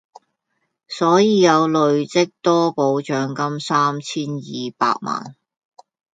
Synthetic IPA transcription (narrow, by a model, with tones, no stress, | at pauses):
sɔː˨˥jiː˨˧jɐ˨˧wlɵ˨˧ɥt͡sɪ˥k̚t̪ɔː˥po˨˧wt͡ʃœː˨˥ŋkɐ˥msaː˥mt͡sʰiː˥njiː˨pa̰ː˧k̚ma̰ː˨˩n